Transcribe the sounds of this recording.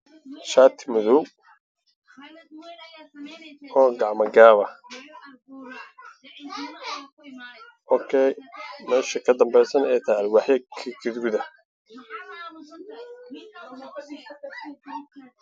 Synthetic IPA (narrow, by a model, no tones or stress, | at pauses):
ʃaːt̪ʰɪ̥mʊðʊ | ɔːɡɑʕmɐɡaːβɐ | ʔɔːkʰɛjmɛːʃɐkʰɐd̪ɐmbɛjsɐnɛjt̪ʰalwɑħjɐkʰɪɡʰɪd̪ɡuðɐ